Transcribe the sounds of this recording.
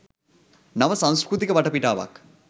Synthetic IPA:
nɐʋɐsãw̃skɾut̪ikɐbɐʈɐpiʈaːʋa̰k

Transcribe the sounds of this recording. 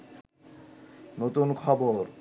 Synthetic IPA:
not̪unkʰɔboɾ

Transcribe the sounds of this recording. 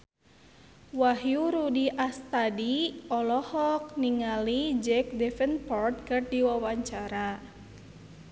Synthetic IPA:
wahjuɾudiʔast̪adiɔlɔhɔk̚niŋalid͡ʒɛk̚dɛfənpɔrt̪̚kərdiwawaɲt͡ʃaɾa

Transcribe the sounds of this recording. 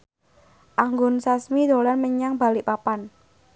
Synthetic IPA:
ʔaŋɡʊnsasmid̪o̤lanməɲaŋba̤liʔpapan

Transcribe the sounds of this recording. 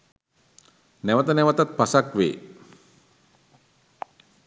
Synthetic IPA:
nɛwat̪ənɛwat̪ət̪̚b̥asak̚wḛ

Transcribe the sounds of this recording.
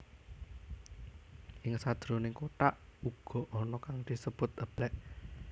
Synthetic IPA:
ɪŋsad̪̥ɾonɪŋkoʈ̪aʔuɡ̥ɔ̤ʔɔnɔkaŋd̪̥i̤səb̥ʊt̪̚əb̥lɛʔ

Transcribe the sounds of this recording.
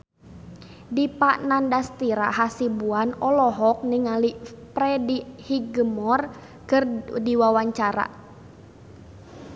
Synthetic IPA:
dipaʔnandast̪iɾa̰ɦasibuanɔlɔɦɔk̚niŋalipɾɛdihiɡəmɔr | kərdiwawaɲt͡ʃaɾa̰

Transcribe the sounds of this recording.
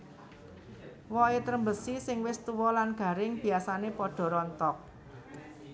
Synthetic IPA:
wɔet̪ɾəmbəsisɪŋwɪst̪uwɔlanɡ̥a̤ɾɪŋb̥i̤asanepɔɖ̥ɔ̤ɾɔnt̪ɔk̚

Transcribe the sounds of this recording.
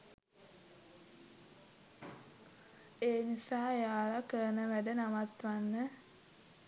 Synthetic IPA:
eːnisaːejaːlakəɾənəʋæɖənaʋat̪ʋanːə

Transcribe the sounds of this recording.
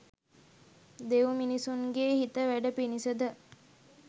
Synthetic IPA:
d̪eʋminisuŋɡeːhit̪əʋæɖəpinisəd̪ə

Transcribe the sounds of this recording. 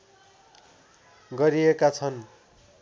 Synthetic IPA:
ɡʌɾiekat͡sʰʌn

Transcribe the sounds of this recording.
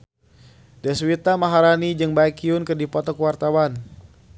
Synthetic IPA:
dɛswit̪amaɦaɾanid͡ʒɨŋbajkiʊnkɨrdipɔt̪ɔkwart̪awan

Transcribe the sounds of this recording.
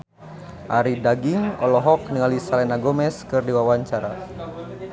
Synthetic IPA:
ʔaɾidaɡiŋɔlɔɦɔk̚niŋalisalɛnaɡɔmɛskɨrdiwawaɲt͡ʃaɾa̰

